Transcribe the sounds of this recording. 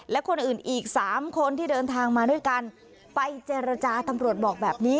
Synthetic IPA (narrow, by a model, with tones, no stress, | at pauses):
lɛ˦˥kʰo˧nʔɯː˨˩nʔiː˨˩k̚saː˩˦mkʰo˧nt̪ʰiː˥˩dɤː˧nt̪ʰaː˧ŋmaː˧du˥˩əjka˧n | pa˧jt͡ɕeː˧ɾa˧t͡ɕaː˧t̪a˧mɾu˨˩ət̪̚bɔː˨˩k̚bɛː˨˩p̚niː˦˥